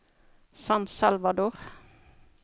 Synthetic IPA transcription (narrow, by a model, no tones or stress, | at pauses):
sɑnsɑlʋɑd̪oːʁ